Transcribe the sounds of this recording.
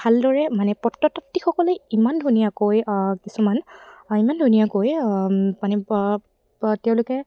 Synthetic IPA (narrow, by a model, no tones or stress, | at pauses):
bʱaldɔɹɛmanɛpɔtːɔtɔtːixɔkɔleimandʱunijakojkisumanimandʱunijakojmanɛ | tɛʊ̃lʊkɛ